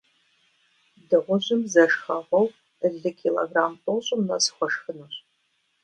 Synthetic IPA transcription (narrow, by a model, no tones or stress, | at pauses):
dɨʁʷʊʑɪmzɐʂxɐʁɐw | əɮɨkʰilo̰ɡraːmtʼoɕʼʊmnɐsxʷɔʂxɨnoɕʼ